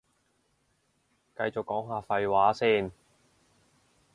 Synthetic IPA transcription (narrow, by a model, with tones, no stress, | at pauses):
kɐ˧jt͡so˨kːɔː˨˥ŋɦaː˨˧fɐ˧jwaː˨˥siː˥˩n